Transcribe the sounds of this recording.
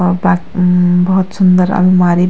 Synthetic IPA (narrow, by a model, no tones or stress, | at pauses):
bakbʌɦt̪sund̪əɾa̰lmaɾi